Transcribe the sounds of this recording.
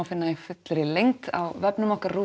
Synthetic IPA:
awfɪnːaifʏt̪lɾɪlejŋ̥t̪a̰wvɛpnʏmahkaru

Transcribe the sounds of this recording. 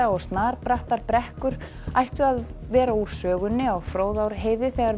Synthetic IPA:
aɔɣst̪naːɾpɾaht̪aɾpɾɛhkʏɾ̥ | ajht̪ʏaðvɛːɾauɾ̥sœːɣʏnːɪaɣfɾoːwðawɾɦeːjðɪθɛɣaɾ

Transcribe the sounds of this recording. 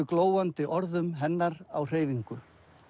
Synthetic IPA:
ʏkloːwant̪ɪʔɔɾðʏmɦɛnːaɾawr̥eːjviŋkʏ

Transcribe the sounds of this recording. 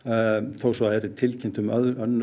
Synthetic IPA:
θowsɔaðɛɾɪt̪ʰɪlcʰɪnt̪ʏmœðœnː

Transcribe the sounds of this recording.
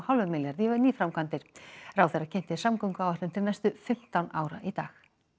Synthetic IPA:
hawlvʏmɪljaɾðivaɾniːfɾawmkʰant̪ɪɾ̥rawθɛracʰɛn̥t̪ɪ̥samkɔwŋkawvaht̪ʏmt̪ʰɪlnɛst̪ʏfɪm̥t̪awnʔaːwɾa̰ʔit̪aːx

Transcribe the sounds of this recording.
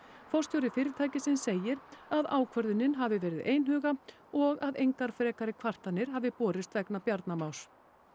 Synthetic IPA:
fɔr̥st̪jowɾɪfɪːɾɪt̪ʰaːjcɪsɪnseːjɪɾaðaːwkʰvœɾðʏnːɪnɦavɪvɛːɾɪðeːjnɦʏːɣa | ɔɣaðejŋkaɾ̥fɾɛːkaɾɪkʰvar̥t̪anːɪɾ̥ɦaːvɪpɔːɾɪst̪vɛknapjaɾt̪namaws

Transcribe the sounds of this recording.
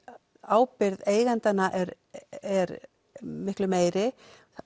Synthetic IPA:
aːwpɪɾðeːjɣɛnt̪anːaʔɛɾ | ɛɾ | mɪhklʏmeːjɾɪ

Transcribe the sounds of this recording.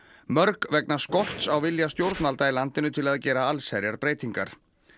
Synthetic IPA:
mœɾkvɛknaskɔh̪t̪sawvɪljast̪jowɾt̪nalt̪ailant̪ɪnʏt̪ʰɪlaðcɛːɾaalsɛɾjaɾpɾeːjt̪iŋka̰ɾ̥

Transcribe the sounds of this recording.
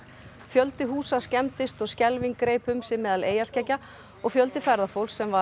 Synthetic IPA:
fjœlt̪ɪɦuːsascɛmt̪ɪst̪ɔɣscɛlviŋkɾeːjpʏmsɪmɛːðaleːjascɛcːa | ɔɣfjœlt̪ɪfɛɾðafowlsːɛmva

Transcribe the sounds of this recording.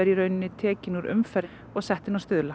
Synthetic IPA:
ɛɾiɾœɥnɪnːɪt̪ʰɛːcɪnuɾʏ̰mfɛɾ | ɔɣsɛht̪ɪnawst̪ʏðla

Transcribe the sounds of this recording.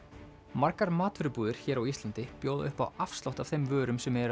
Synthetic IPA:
maɾkaɾmaːt̪vʏɾʏpuːðɪɾ̥çɛːɾawist̪ant̪ɪpjoːwðʏhpa̰wafst̪lawht̪av̥θejmvœːɾʏmsɛmɛɾ

